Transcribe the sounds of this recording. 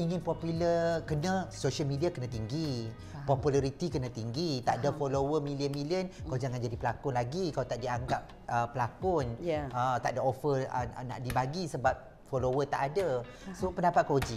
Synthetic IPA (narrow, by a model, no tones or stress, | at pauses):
iŋɪ̃npɔpuləkənə̃soʃəlmidiakənãt̪iŋɡi | pɔpulaɾit̪ikənãt̪iŋɡit̪aʔdafolowəmiliənmiliənkawd͡ʒaŋand͡ʒadipəlakʊnlaɡikaawt̪aʔdiaŋɡap̚ | əpːəlakʊnət̪aʔdaofəə̰na̰ʔdibaɡisəbap̚ | folowət̪a̰ʔada | sopəndapat̪̚kod͡ʒiʔ